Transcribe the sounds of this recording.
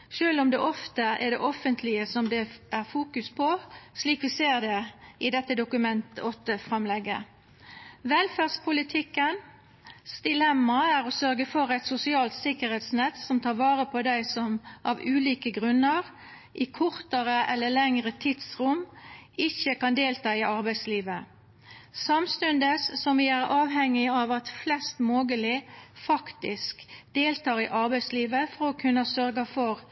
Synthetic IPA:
ʃøːlʊmd̪ɛʔɔft̪əɛ̰ʁd̪ɛ̰ʔɔfənt̪ʰlɪəsɔmd̪ɛʔæʁfuːkʉspʰɔʂliːkʋɪseːʁd̪ɛɪd̪ɛt̪ːəd̪ʊkʉmɛnt̪ɔt̪ːəfʁɑmlɛɡːə̰ | ʋɛlfæʁspʰʊlɪt̪ʰɪkːən | sd̪ɪlɛmːɑæʁɔsœʁɡəfɔɾæɪt̪sʊsɪɑːlt̪sɪkəɾhɛːt̪snɛt̪sɔmt̪ʰɑːʁʋɑːʁəpʰɔd̪æɪsɔmʔɑʋʉːliːkəɡʁʉnːəʁ | ʔɪkʰʊʁt̪əʁəʔɛlːəlɛŋʁət̪ʰɪd̪sʁʊmɪçəkɑnd̪eːlt̪ʰɑːɪʔɑʁbæɪsliːʋə | sɑmst̪ʉnd̪əsːɔmʋɪæʁɑːʋɦɛŋːɪɑʋɑt̪flɛst̪moːɡəlɪfɑkt̪ɪskd̪̥eːlt̪ʰɑːʁɪʔɑɾbæɪsliːʋəfɔɾɔkʰʉnːəsœʁɡɑfɔɾ

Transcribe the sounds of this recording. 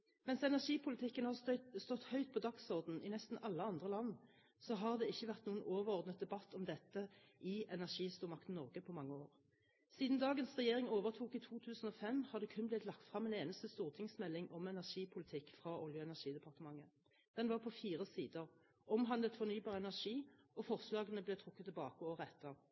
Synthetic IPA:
mɛnsɛnæʂiːpʰʊlɪt̪ʰɪkːənhɑst̪ɔt̪ːhœʏt̪̚pʰɔd̪ɑksɔʁd̪n̩ɪnɛst̪n̩ʔɑlːəɑnd̪ʁəlɑnː | sɔɦɑʁd̪ɛɪçːəʋæʁt̪nuːənoːʋəʁɔʁd̪nət̪̚d̪ɛbɑt̪ːɔmd̪ɛt̪ːəʔɪʔɛnæʁʂiːst̪uːʁmɑkt̪n̩nɔʁɡəpʰɔmɑŋːəoːʁ | siːd̪n̩d̪ɑːɡənsʁɛjeːʁɪŋoːʋəʁt̪ʰuːkɪt̪ʰuːt̪ʰʉːsn̩ɔfɛmhɑʁd̪ɛkʰʉnblɪt̪lɑk̚t̪fʁɑmːeːneːnəst̪əst̪uːʁt̪ʰɪŋsmɛlːɪŋʔɔmɛnæʁʂiːpʰʊlɪt̪ʰɪkːfʁɑʔɔljəɛnæʁʂiːd̪ɛpʰɑʁt̪əmɑŋːə | d̪̥ɛnʋɑːʁpʰɔfiːʁəsiːd̪əʁ | ɔmɦɑnd̪lət̪fɔʁnyːbɑːʁəɛnæʁʂiːɔfɔʁslɑːɡənəblɛt̪ʰʁʊkːət̪ʰːɛbɑːkəɔʁɛt̪ːə

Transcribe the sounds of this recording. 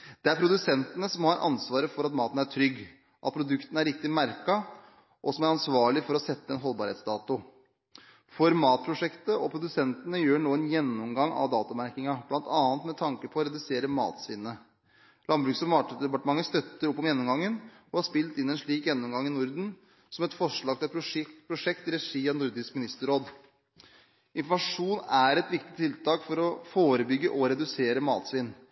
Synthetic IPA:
d̪̥ɛæɾpʰɾʊd̪ʉsɛnt̪ənəsɔmhɑɾʔɑ̰nsʋɑːɾəfɔɾɑt̪mɑːt̪ən̩æʈʰɾʏɡː | ʔɑt̪pʰɾʊd̪ʉkt̪ənəæɾɪk̚t̪ɪmæɾkɑ | ʔɔsɔmæɾɑnsʋɑːɭɪfɔɾɔsɛt̪ːəɛnɦɔlbɑɾheːt̪sd̪ɑːt̪ʊ | fɔɾmɑːt̪̚pʰɾʊʂɛkt̪əʔɔpʰɾʊd̪ʉsɛnt̪ənəjøːɳoːɛnjɛnːɔmɡɑŋːɑ̰ʋd̪ɑːt̪ʊmæɾkɪŋɑb̥lɑnt̪ɑːnət̪mɛt̪ʰɑŋkəpʰɔɔɾɛd̪ʉseːɾəmɑ̰ːt̪sʋɪnːə | lɑnbɾʉːksɔmɑːʈd̪ɛpɑʈəmɑŋːəst̪œt̪ːəɾɔpːɔmjɛnːɔmɡɑŋːən | ɔhɑʂspɪlt̪ɪnːɛnʂɭiːkjɛnːɔmɡɑŋːɪnʊɾd̪n̩ | sɔmɛt̪fɔʂɭɑːɡ̚t̪ʰɪlpʰɾʊʂɛkt̪ɪɾɛʂiːɑnʊɾd̪ɪskmɪnɪst̪əɾoːd̪ | ɪnfɔmɑʂuːnæɾɛt̪ʋɪkt̪ɪt̪ʰɪlt̪ʰɑːkfɔɾɔfoːɾəbʏɡːəʔɔɾɛd̪ʉseːɾəmɑ̰ːt̪sʋɪn

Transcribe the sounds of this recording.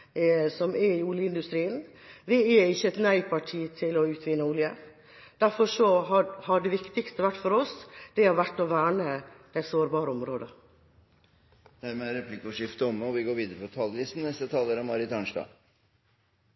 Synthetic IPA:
sɔmɛɾɪuːljəɪnd̪ʉst̪ɾiːən | ʋɪɛɪçːəɛt̪næɪpʰɑʈʰiːt̪ʰɪlɔʉːt̪ʰʋɪnːəuːljə | d̪̥æɾfɔʂɔɑhɑɖɛʋɪkt̪ɪkst̪əʋæʈːfɔɾɔsd̪̥ɛhɑʋæʈːɔʋæːɳəd̪ɛt̪soːɾbɑːɾəɔmɾoːd̪ə | d̪̥æɾmɛæɾɛpʰlɪkːɔʂɪft̪əɔməɔʋɪɡoːɾʋiːd̪əɾəpʰɔt̪ʰɑllɪst̪n̩nɛst̪ət̪ʰɑːləɾɔmɑɾɪt̪ʰɑɳʂd̪ɑ̰ː

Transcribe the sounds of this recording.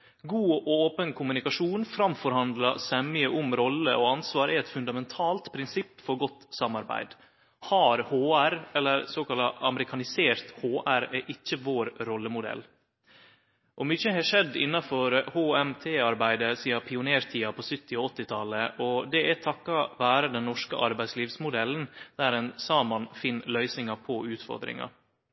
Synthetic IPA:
ɡuːʔɔoːpənkʰʊmʉnɪkɑʂuːnfɾɑmfɔɾhɑnd̪lɑsɛmɪəʔʊmɾɔlːəʔɔɑnsʋɑːɾɛɾɛt̪fʉnd̪ɑmɛnt̪ʰɑːlt̪pʰɾɪnsɪpːfɔɾɡɔt̪ːsɑmːɑɾbæ̰ɪd̪ | hɑɾhoːæɾɛlːəɾsoːkɑlɑʔɑməɾɪkʰɑnɪseːɾt̪hoːʔæɾɛʔɪçːəʋoːɾɾɔlːəmʊd̪ɛ̰lː | ʔɔmʏçəhɛːʂɛd̪ːɪnːɑfɔɾhoːɛmt̪ʰeːɑɾbæɪd̪əsiːɑpʰɪʊneːɾt̪ʰiːɑpʰɔsʏt̪ːɪɔɔt̪ːɪt̪ʰɑləʔɔd̪ɛʔɛt̪ʰɑkːɑʋæːɾəd̪ɛnːɔʂkə̰ʔɑɾbæɪsliːʋsmʊd̪ɛlːnd̪̥æɾɛnsɑːmɑnfɪnːlœʏsnɪŋɑpʰɔʉːt̪fɔ̰ɾd̪ɾɪ̰ŋɑ̰

